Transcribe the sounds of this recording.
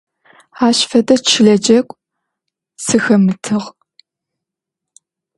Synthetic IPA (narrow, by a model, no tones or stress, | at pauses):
aːɕfɐdɐt͡ʃʰɪɮɐd͡ʒɐkʷʼ | sɨxɐmɨtʰɨʁ